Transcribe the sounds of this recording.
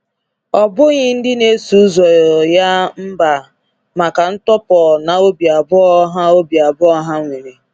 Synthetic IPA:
ɔ˨bʊ˦ɣɪ˦n̩˦dɪ˦ne˦su˨˦zɔ˨ja˦m̩˦ba˨ | ma˨ka˨n̩˦tɔ˦pɔ˨na˨o˦bi˨a˨bʊ˦ɔ˦ɦa˦o˦bi˨a˨bʊ˦ɔ˦ɦa˦ŋʷe˨ɾe˨

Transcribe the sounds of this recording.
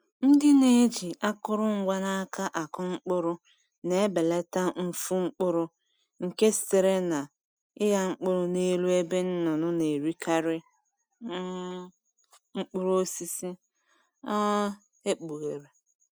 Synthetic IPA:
n̩˦dɪ˦ne˨˦d͡ʒi˨ʔa˦kʊ˦ɾʊ˦ŋ̩˦ɡʷa˦na˦ka˦ʔa˨kʊ˦ŋ͡m̩˦k͡pʊ˦ɾʊ˦ | ne˨e˦be˨le˦ta˦n̩˦fu˦ŋ͡m̩˦k͡pʊ˦ɾʊ˦ | ŋ̩˨ke˦ste˨ɾe˦na˨ | ɪ˦ja˦ŋ͡m̩˦k͡pʊ˦ɾʊ˦ne˦lu˦e˦be˦n̩˦nɔ˨nʊ˦ne˨ɾi˦kʰa˦ɾɪ˦ | ŋ͡m̩˦k͡pʊ˦ɾo˦o˦si˦si˦ | a˦ | e˦k͡pu˨ɣe˨ɾe˨

